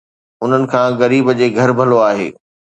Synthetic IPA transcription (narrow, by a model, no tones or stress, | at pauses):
ʊn̤ənɪ̆kʰãːɣɐɾiːbəd͡ʑeːɡʱɐɾbʱɐloaːɦḛː